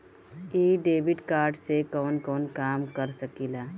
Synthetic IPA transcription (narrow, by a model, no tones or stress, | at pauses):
iːɖeːbɪɖkaːɾɖsekɔːnkɔːnkaːmkəɾsəkilaː